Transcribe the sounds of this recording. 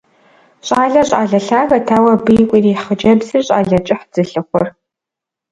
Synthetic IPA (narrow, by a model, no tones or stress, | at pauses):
ɕʼaːɮɐɕʼa̰ːɮɐɬaːɣɐtʰaːwɐbɨkʷʼiːriχəd͡ʒɐbzɨrɕʼa̰ːɮɐt͡ʃʼɪħd͡zɨɬɨχʷɔr